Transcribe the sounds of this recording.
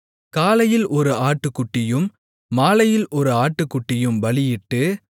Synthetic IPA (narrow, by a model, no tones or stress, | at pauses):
kaːlɐjɪlʔɔɾɯaːʈːɯkːʊʈːɪjɯmː | aːlɐjɪlʔɔɾɯaːʈːɯkːʊʈːɪjɯmʋɐɭɪjɪʈːɯ